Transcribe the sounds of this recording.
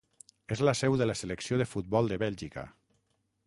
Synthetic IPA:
ezləsɛwðələseləksioðəfut̪̚bɔlˠd̪əβɛlʲʒikə̰

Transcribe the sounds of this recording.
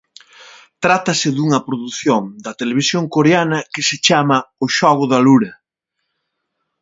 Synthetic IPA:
t̪ɾat̪ɐsɪðuŋɐpɾoðuθjoŋd̪ɐt̪eleβisjoŋkoɾeanɐkɪsɪt͡ʃamɐʊʃɔɣʊðɐluɾɐ

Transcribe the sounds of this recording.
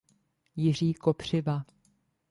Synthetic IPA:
jɪr̝iːko̞pr̝̥ɪva

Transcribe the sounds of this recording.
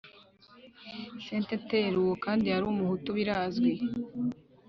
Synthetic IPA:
seːnteteɾuwokaːndihaɾuːmuhutuβiɾaːzɡwe

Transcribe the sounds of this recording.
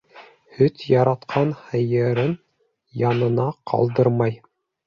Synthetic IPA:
hɵt̪jɑɾɑt̪qʰɑnhɤ̆jɤ̆ɾɤn | jɑnɤ̆nɑqʰɑ̰lˠd̪ɤɾmɑj

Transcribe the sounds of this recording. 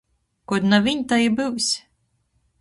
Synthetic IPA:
kɔd̪navʲiɲʲt̪ajibɨwsʲ

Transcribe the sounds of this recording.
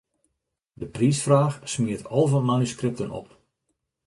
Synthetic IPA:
dəpriːsfraːxsmiətʰɔlˠvɔnmanyskrɪp̚tənɔ̰p

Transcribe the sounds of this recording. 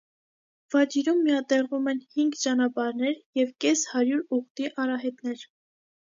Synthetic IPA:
vɑt͡ʃiɾumːijɑt̪ɛʁumɛnhiŋɡt͡ʃɑnɑpɑɾnɛɾjɛvkɛshɑɾjuɾuʁt̪iʔɑrɑɦɛt̪nɛɾ

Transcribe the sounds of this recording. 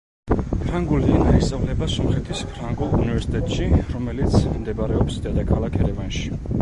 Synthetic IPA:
pʰɾaŋɡulianaisavlɛbasɔmχɛt̪ʰispʰɾaŋɡɔlˠunivɛɾsi̥t̪ʼʰɛt̪ʃiɾɔmɛlit̪sʰmd̪ɛbaɾɛɔpsd̪ad̪akʰalˠakʰɛɾɛvanʃi̥

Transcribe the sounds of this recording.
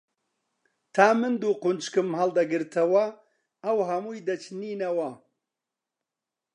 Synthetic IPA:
t̪ʰaːmɨnd̪uːqʊnt͡ʃkɨmɦɐld̪ɐɡɨɾt̪ʰɐwɐ | ɐwɦɐmuːjd̪ɐt͡ʃʰniːnɐwɐ

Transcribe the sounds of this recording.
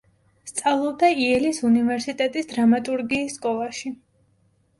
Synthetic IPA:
st̪sʼavlˠɔb̚d̪aiɛlisunivɛɾsit̪ʼɛt̪ʼisd̪ɾamat̪ʼuɾɡiːsːkʼɔlˠaʃi

